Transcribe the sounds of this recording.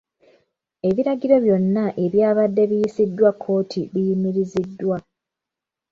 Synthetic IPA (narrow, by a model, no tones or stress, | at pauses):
e̞βiɾaɟiɾo̞βjo̞nːaʔe̞βjaːβadːe̞βijisidːwakʰːo̞ːtʰiβijimiɾizidːwa